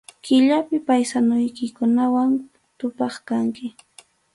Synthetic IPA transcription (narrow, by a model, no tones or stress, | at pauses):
kɪʎapɪpajsanʊjkɪkʊnawan | t̪ʊpɑχkaŋkɪ